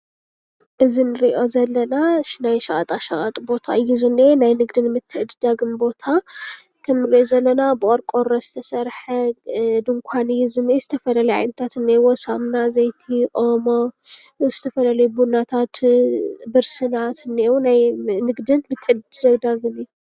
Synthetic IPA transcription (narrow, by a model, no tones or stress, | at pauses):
ʔɨzinɨɾiʔo̞zɐlːɐnaʃnajʃɐɣʼɐt̪ʼaʃɐɣʼɐt̪ʼbo̞t̪ʰa̰jizunenajnɨɡd̪ɨnmɨt̪ʰːɨʔɨd̪ɨd̪aɡɨmbo̞t̪ʰa | t̪ʰɐmɨɾiozɐlːɐnabɨʔʼɔɾkʼo̞ɾɐzɨt̪ʰɐsɐɾħɐd̪ɨŋkʷʰanjizɨnezɨt̪ʰɐfɐlalɐjʕa̰jnɐt̪ʰat̪ɨnːewɔsamnazɐjt̪ʰiʔo̞moz̥ɨt̪ʰɐfɐlalɐjbunat̪ʰat̪ | bɨɾsɨnat̪ɨnːewunajnɨɡd̪ɨnmɨt̪ʰːɨʕd̪ɨzɐd̪aɡɨni